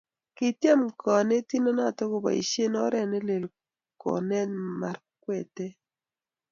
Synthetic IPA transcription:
kɪ˨tje˦mkʰɔ˨ne˦ti˦nɔ˦na˦˨tɔ˦ko˦ba̰˨ḭ˨ʃe˦nɔ˦ɾɛ˦˨ne˦le˨l | kɔ̰˨nɛ˦nma˨r | kwɛ˨te˦

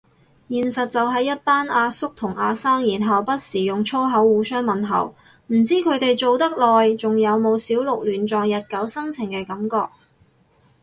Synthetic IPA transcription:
jiː˨˩nsɐ˨t̚t͡sɐ˨wɦɐ˨˧jːɐ˥t̚paː˥naː˧sʊ˥k̚t̪ʰʊ˨˩ŋaː˧saː˥ŋjiː˨˩nɦɐ˨wpɐ˥t̚siː˨˩jʊ˨ŋt͡ʃʰo˥wɦɐ˨˥wːuː˨˧sœː˥ŋmɐ˨nɦɐ̰˨˩w | m̩˨˩t͡siː˥kʰɵ˨˧ɥt̪e˨jt͡so˨wt̪ɐ˥k̚lɔː˨jt͡sʊ˨ŋjɐ˨˧wmo˨˧wsiː˨˥wlʊ˨k̚lyː˨˩nt͡ʃɔː˨˧ŋjɐ˨t̚kɐ˨˥wsɐ˥ŋt͡sʰɪ˨˩ŋkɛː˧kɐ˨˥mkɔː˧k̚

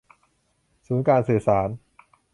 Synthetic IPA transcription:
suː˩˦nkaː˧nsɯː˨˩saː˩˦n

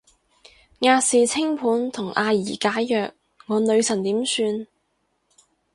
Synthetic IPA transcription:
ŋaː˧siː˨t͡sʰɪ˥ŋpʰuː˨˥nt̪ʰʊ˨˩ŋʔaː˧jiː˨˩kaː˨˥jjœː˨k̚ | ŋɔː˨˧nɵ˨˧ɥsɐ˨˩nt̪iː˨˥msyː˧n

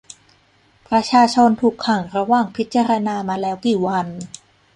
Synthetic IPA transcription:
pɾa˧t͡ɕʰaː˧t͡ɕʰo˧nt̪ʰuː˨˩kʰːa˨˩ŋɾa˧waː˨˩ŋpʰi˦˥t̪̚t͡ɕa˧ɾa˧naː˧maː˧lɛː˦˥wkiː˨˩wa˧n

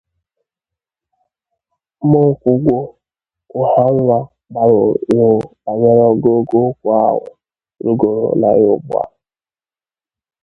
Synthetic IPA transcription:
mɔ˦kʷu˨ɡʷo˦ | ʊ˨ha˦ŋʷa˦ | ba˨ɾo˨˦ʊ˦a˨ɲe˦ɾɔ˦ɡo˦ɡo˦kʷʊ˦a˦wʊ̰˨ | ɾu˦ɡo˨ɾo̰˨la̰˨jʊ̰˦bʊ̰˦a̰˦˨

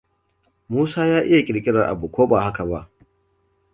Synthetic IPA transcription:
muː˦saː˦jaː˦ʔɪ˦ja˨kʲʼɪ˨ɽkʲʼɪ˦ɽa˨ʔa̰˨bu˨kʷoː˦ba˨ha˦ka˨βa˦ʔ

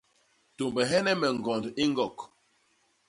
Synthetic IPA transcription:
to˨mbɛ˨ɦɛ˦nɛ˦mɛ˨ŋ˨ɡɔ˨ndi˦ŋ˦ɡɔ˨k

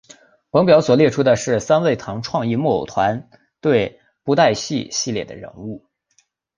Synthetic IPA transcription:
pɤ˧˥ŋpjɑ˧˥ʊswɔ˨˩ljɛ˥˩ʈ͡ʂʰu˥d̪ə˨ʂɻ̩˥˩sa˥nwe˥˩ɪt̪ʰɑ˧˥ŋʈ͡ʂʰwɑ˥˧ŋi˥˧mɔ˥˩o̰˨˩t̪ʰwa˧˥n | t̪we˥˩ɪ | pu˧˥t̪a˥˧ɪɕi˥˧ɕi˥˧ljɛ˥˩d̪ə̰˩ɻə̰˧˥nu˥˩

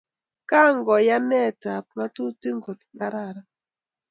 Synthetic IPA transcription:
ka˦˨ŋɡɔ˨ja˦nɛ˦˨ta˨p̚ma˦tu˦ti˦ŋɡo˨tna˦ɾa˦˨ɾa˦

